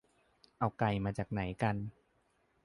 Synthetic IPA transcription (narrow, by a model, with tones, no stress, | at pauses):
ʔa˧wka˧jmaː˧t͡ɕaː˨˩k̚na˩˦jka˧n